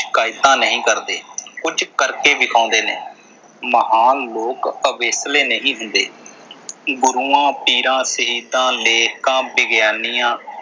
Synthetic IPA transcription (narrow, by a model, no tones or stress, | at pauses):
ʃkaːɪt̪ãːnəɦĩːkəɾd̪eːkʊd͡ʒkəɾkeːbɪkʰãːnd̪eːnḛː | məɦaːnloːkəbeːsleːnəɦĩːɦʊnd̪eː | ɡʊɾuːãːpiːɾãːsəɦiːd̪ãːleːkãːbɪɡjaːnijãː